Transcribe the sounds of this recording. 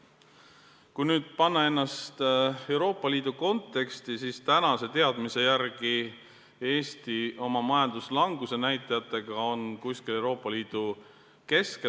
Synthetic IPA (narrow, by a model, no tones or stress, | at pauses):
kujnyːd̪̥̚pɑnːɑe̞nːɑst̪e̞wɾo̞ːpːˑɑliːd̪̥uko̞nt̪ːe̞kst̪isiːst̪ænɑse̞t̪e̞ɑd̪̥mise̞jærɡ̥i | e̞ːst̪io̞mɑmɑjɑnd̪̥uslɑŋɡ̥use̞næjt̪ːˑɑjɑt̪ːˑe̞ɡ̥ɑo̞nkuskile̞wɾo̞ːpˑːɑliːd̪̥u | ke̞ske